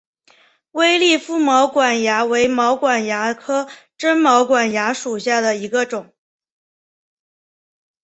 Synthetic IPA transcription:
we˥ɪli˥˩fu˥˩mɑ˧˥ʊkwa˨˩nja˧˥we˧˥ɪmɑ˧˥ʊkwa˨˩nja˧˥kʰɤ˥ʈ͡ʂə˥nmɑ˧˥ʊkwa˨˩nja˧˥ʂu˨˩ɕja˥˩d̪ə˩i˧˥ɡə˧ʈ͡ʂʊ˨˩˦ŋ

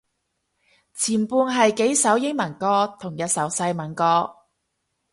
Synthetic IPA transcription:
t͡sʰiː˨˩npuː˧nɦɐ˨jke˨˥jsɐ˨˥wjɪ˥ŋmɐ˨˩nkɔː˧t̪ʰʊ˨˩ŋjɐ˨˧t̚sɐ˨˥wsɐ˧jmɐ˨˩nkɔː˧

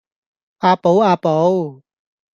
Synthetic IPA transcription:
ʔaː˨˧po˨˦aː˨po˨˦w

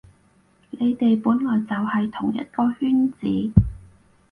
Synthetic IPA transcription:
le˨˧jt̪e˨jpuː˨˥nlɔː˨˩jt͡sɐ˨whɐ˨jt̪ʰʊ˨˩ŋjɐ̰˦˥t̚kɔː˧hyː˥nt͡siː˨˥

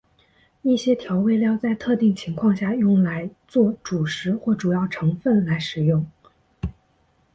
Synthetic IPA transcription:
i˥˩ɕjɛ˥t̪ʰjɑ˧˥ʊwe˥˧ɪljɑ˥˧ʊt͡sa˥˧ɪt̪ʰɤ˥˧t̪i˥˩ŋt͡ɕʰi˧˥ŋkʰwɑ˥˧ŋɕja˥˧jʊ˥˩ŋla˧˥ɪt͡swɔ˥˩ʈ͡ʂu˨˩ʂɻ̩˧˥xwɔ˥˩ʈ͡ʂu˨˩jɑ˥˩ʊʈ͡ʂʰɤ˧˥ŋfə˥˩nla˧˥ɪʂɻ̩˨˩jʊ˥˩ŋ

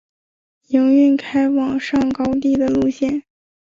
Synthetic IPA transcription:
jɤ˧˥ŋy˥˩nkʰa˥ɪwɑ˨˩ŋʂɑ˥˩ŋkɑ˥ʊt̪̬i˥˩d̪ə˩lu˥˧ɕjɛ˥˩n

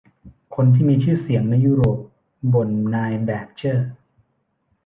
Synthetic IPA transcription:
kʰo˧nt̪ʰiː˥˩miː˧t͡ɕʰɯː˥˩si˩˦əŋna˧jːuː˦˥ɾoː˨˩p̚ | bo˨˩nːaː˧jbɛː˨˩k̚t͡ɕʰɤː˥˩

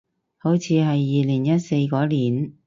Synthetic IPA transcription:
ho˨˥wt͡sʰiː˨˧ɦɐ˨jːiː˨liː˨˩ŋjɐ˥t̚se˧jkɔː˨˥liː˨˩n

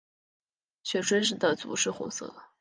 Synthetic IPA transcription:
ɕɥɛ˨˩ʈ͡ʂwe˥ʂɻ̩˥˩d̪ə˨t͡sṵ˧˥ʂɻ̩˥˩xʊ̰˧˥ŋsɤ̰˥˩

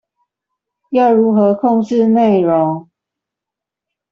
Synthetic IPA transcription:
jɑ˥˨ʊɻu˨˥xɤ˨˦kʰɔ˥˧ŋʈ͡ʂɻ̩˥˧ne˥˨˩ɪɻo˨˦ŋ

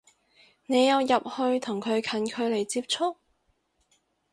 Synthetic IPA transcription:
ne˨˧jɐ˨˧wjɐ˨p̚hɵ˧ɥt̪ʰʊ˨˩ŋkʰɵ˨˧ɥkʰɐ˨˥nkʰɵ˨˧ɥle˨˩jt͡siː˧p̚t͡ʃʰʊ˥k̚

